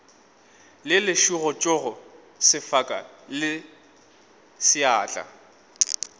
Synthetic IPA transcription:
lɪlɪʃuɣɔt͡ʃʼʊɣɔ | sɪfakʼa̰ | lɪ | sɪaːt͡ɬʼa̰

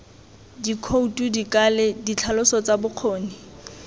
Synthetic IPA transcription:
dikʰoutʼudikʼaledit͡ɬʰalʊsɔt͡sabʊq͡χʰoːnɪ

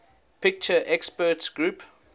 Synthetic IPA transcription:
pɪk̚t͡ʃəʔɛkspətsɡ̥ɹup

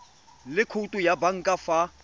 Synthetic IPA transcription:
lɪkʰutʼujabaŋ̩kʼafa

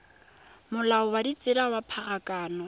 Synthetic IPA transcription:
mʊlaɔwadit͡sʼɪɾawapʰaɣakʼaːnɔ

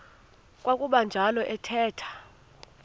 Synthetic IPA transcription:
kʼwakʼuɓand͡ʒʱalɔʔɛtʰɛːtʰḁ

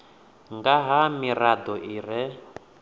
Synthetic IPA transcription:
ŋɡaɦamiɾad̪ɔʔiɾɛ

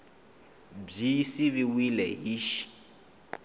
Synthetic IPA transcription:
bisiβiwilɛɦiʃ

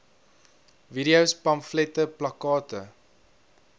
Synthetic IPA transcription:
viɾiəwspɐmflɛtəplɐkɑːtə

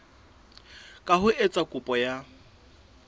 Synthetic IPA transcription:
kʼaɦʊʔet͡sʼakʼʊpʼɔja

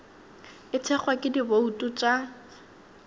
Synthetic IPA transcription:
ɪt͡sʰɛχwakʼɪdiboutʼut͡ʃʼa

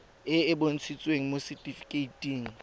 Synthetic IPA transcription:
ɪɪbon̩t͡sʰit͡sʼweŋ̩mositʼifi̥kʼeitʼiːŋ̩

